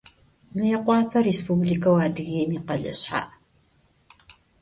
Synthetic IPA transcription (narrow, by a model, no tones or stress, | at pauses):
mɨjɛqʷɑːpʰɐɾespubliːkʰɐwaːdɨɣeːmiːqɐɮɨ̰ɕħa̰ːʔ